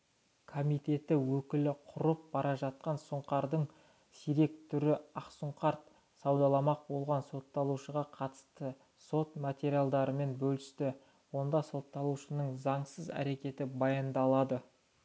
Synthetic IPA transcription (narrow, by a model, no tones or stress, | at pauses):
kʰomijt̪e̞t̪ɪwɵkʲɪlɪqʰʊɾəp̚b̥ɑɾʔɑʒɑt̪̚qɑnsʊɴqɑɾd̪əɴ | siɾe̞k̚t̪ʰʏɾɪɑqsʊɴqɑɾt̪̚ | sɑwd̪ɑlˠɑmɑq̚bo̞lˠʁɑnso̞t̪ːɑlˠuʃəʁɑqʰɑt̪ə̥st̪ə | so̞t̪mat̪ʲe̞ɾijalˠd̪ɑɾəme̞nbɵlɪst̪ɪ | wo̞nd̪ɑso̞t̪ːɑlˠuʃənəɴzɑɴsəzæ̰ɾe̞kʲe̞t̪ɪbɑjənd̪ɑlˠɑd̪ə